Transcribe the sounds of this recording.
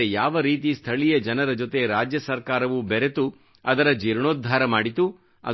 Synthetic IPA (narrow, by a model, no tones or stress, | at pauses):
ejaːʋɐɾiːt̪̬ist̪ʰɐɭijɐd͡ʒɐnɐɾɐd͡ʒot̪e̞ɾaːd͡ʒjɐsɐɾkaːɾɐʋubɛɾe̞t̪u | ɐd̪ɐɾɐd͡ʒiɾɳoːd̪ʱːaːɾɐmaːɽit̪u | ɐ̰